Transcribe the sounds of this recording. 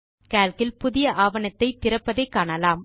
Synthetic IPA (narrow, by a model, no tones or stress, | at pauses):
kaːlkɪlpʊðɪjɐʔaːʋɐɳɐt̪ːɐɪt̪ːɪɾɐpːɐðɐɪkːaːɳɐlaːm